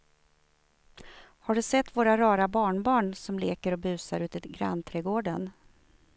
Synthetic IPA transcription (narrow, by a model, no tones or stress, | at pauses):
haɖɵsɛt̪ːvoːɾaɾɑːɾabɑːɳbɑːɳsɔmleːkəɾɔbʉ̟ːsaɾʉ̟ːt̪əɡɾa̰nt̪ʰɾɛɡoːɖən